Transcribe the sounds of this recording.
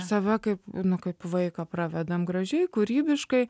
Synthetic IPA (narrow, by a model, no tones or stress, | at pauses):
sɐʋʲɛkɐɪpnʊkɐɪpʋɐɪkɐprɑːʋʲɛd̪ɐmɡɾɐʒʲɛɪkuːɾʲiːbʲɪʃkɐɪ